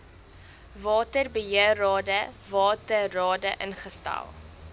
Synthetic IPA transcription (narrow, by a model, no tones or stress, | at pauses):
vɑːtərbəɦiərɑːdəvɑːtərɑːdəʔənχəstɛ̰lˠ